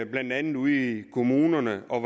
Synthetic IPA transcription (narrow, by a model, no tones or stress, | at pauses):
b̥lænd̥ænð̩ˠuð̰ˠikʰo̝muːnɐnəɒ̽ʋ